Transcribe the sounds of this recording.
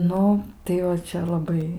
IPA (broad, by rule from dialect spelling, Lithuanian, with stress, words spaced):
ˈnʊ tɐɪ ʋɐ ˈt͡ʃʲɛ lˠɐˈbɐɪ